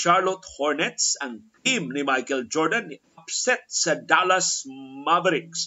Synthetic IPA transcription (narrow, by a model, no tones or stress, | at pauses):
ʃaɹlɔt̪hɔɹnɛt̪sɐŋtimnimajkɛld͡ʒɔɹd̪ɐniʔapsɛt̪̚sɐd̪alɐsmavɛɾɪks